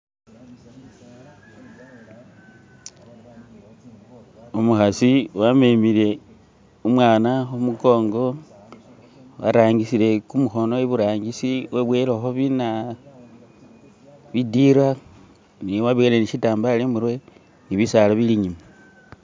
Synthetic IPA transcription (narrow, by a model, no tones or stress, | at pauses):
umuxasiwamemile̞ | umwaːnaxumuɡo̞ːŋɡo̞ | wa̰ɾaːŋɡisile̞kumuxo̞no̞eβuɾaːŋɡisiweβweloxoβina | βidiɾa | niwaβiele̞niʃitaːmbalemuɾwe̞ | niβisalaβiliɲima